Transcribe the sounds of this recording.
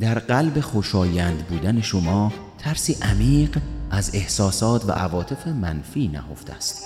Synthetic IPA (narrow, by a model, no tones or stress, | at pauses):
d̪̥æɾɢælbe̞xoʃɒːjænd̪buːd̪æne̞ʃomɒː | t̪ʰæɾsiːʔæmiːɢæze̞hsɒːsɒːt̪ʰvæ̰ʔævɒːt̪ʰe̞fe̞mænfiːnæ̰ho̞̰ft̪ʰḛæst̪